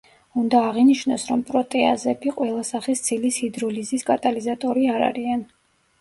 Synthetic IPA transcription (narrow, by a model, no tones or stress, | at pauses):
und̪aːʁiniʃnɔsɾɔmpʼɾɔt̪ʼɛa̰zɛbiqʼwɛlˠasaχist̪sʰilishid̪ɾɔliziskʼat̪ʼalizat̪ʼɔɾiaɾa̰ɾian